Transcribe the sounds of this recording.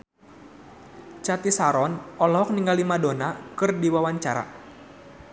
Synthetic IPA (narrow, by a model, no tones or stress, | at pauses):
t͡ʃat̪isaɾɔnɔlɔɔk̚niŋɡalimadonakɨrdiwawaɲt͡ʃaɾa̰